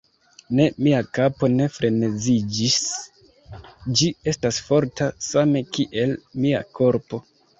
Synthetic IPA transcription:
ne̞miakapo̞ne̞fɾʔe̞ne̞zid͡ʒis | d͡ʒie̞stasfo̞ɾtasame̞kiʔe̞lmia̰ko̞ɾpo̞

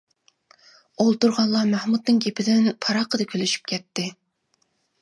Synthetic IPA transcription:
olˠt̪uɾʁɑnlˠɑmæχmut̪nɨŋɡʲepɪd̪ɪnpʰɑɾɑqʰəd̪ɨkʲʰølyʃy̥p̚kʲʰɛt̪ːɪ

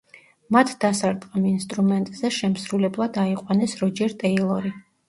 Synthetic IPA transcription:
mat̪ʰd̪̥asaɾt̪ʼqʼaminst̪ʼɾumɛnt̪ʼzɛʃɛmsɾulɛblˠad̪aiqʼwanɛsɾɔd͡ʒɛɾt̪ʼɛilˠɔɾi

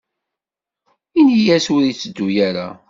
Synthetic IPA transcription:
inijæsʊɾit͡sːəd̪ːujæɾa̰

